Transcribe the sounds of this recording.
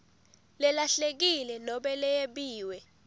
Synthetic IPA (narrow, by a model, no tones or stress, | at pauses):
lɛlaɬek̬ilɛnɔɓɛlɛjeɓiːwɛ